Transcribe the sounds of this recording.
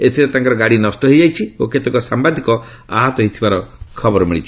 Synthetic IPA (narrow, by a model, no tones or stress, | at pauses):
et̪ʰiɾet̪ãŋkɔɾɔɡaɽinɔsʈɔɦed͡ʒajt͡ʃʰioket̪ɔkɔsambad̪ʱikɔ | a̰ɦat̪ɔɦit̪ʰibaɾɔkʰɔbɔɾɔmiɭit͡ʃʰi̥